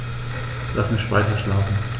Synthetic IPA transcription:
lʔasmɪçv̥aɪtɐʃlaːfn̩

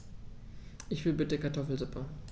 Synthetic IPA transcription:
ʔɪçv̥ɪlbɪtəkaɐtʰɔfl̩zʊpʰə

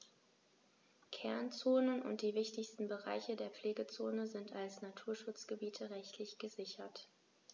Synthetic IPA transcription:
kʰɛɐnt͡soːnənʊ̰nt̚d̥iːvɪçtɪçstn̩bəʁa̰ɪçədeːɐp͡fleːɡət͡soːnəzɪntʰalsnatʰuːɐʃʊt͡sɡ̥əbiːtʰəʁɛçtʰlɪçɡ̥əzɪçɐt

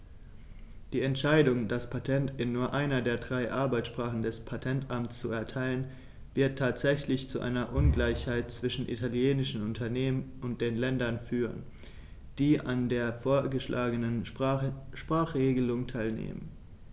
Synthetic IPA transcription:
d̥iːɛntʃaɪdʊŋdaspʰatʰɛntɪnːuːɐʔaɪnɐdeːɐdʁaɪʔaɐbaɪt͡ssʃpʁ̥aːχn̩dɛspʰatʰɛntʔamtt͡st͡suɛɐtʰaɪlən | vɪɐtʰːaːtz̥ɛçlɪçt͡suʔa̰ɪnɐʔʊnɡlaɪçhaɪt̚t͡sv̥ɪʃn̩ʔḭtʰaljeːnɪʃn̩ʊntʰɐneːmənʔʊnt̚d̥eːnlɛndɐnfyːʁ̞ə̰n | d̥iːʔandeːɐfoːɐɡəʃlʔaːɡənən | ʃpʁ̥aːχʁ̥eːɡəlʊŋtʰaɪlnḛːmən

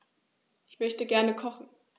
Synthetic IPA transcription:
ʔɪçmœçtəɡɛɐnəkʰɔχn̩

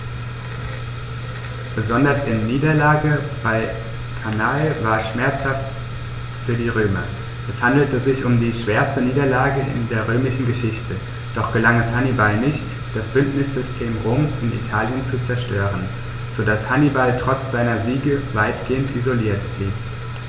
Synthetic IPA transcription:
b̥əzɔndɐsɪnːiːdɐlaːɡəb̥aɪ | kʰanalvaːɐʃmɛɐt͡shaft | fyːɐdiːʁ̞øːmɐ | ʔɛshandl̩təzɪçʊmdiːʃv̥eːɐstəniːdɐlaːɡəɪ̰ndeːɐʁ̞øːmɪʃn̩ɡəʃɪçtʰə | d̥ɔχɡ̥əlaŋɛshanibalnɪçt | d̥asb̥ʏntnɪsz̥ʏstʰeːmʁoːmsɪnḭtʰaːljənt͡sut͡sɛɐʃtøːʁən | z̥odashanibaltʁ̥ɔt͡sz̥aɪnɐziːɡəvaɪtɡ̥eːəntʔizoliːɐtb̥liːp

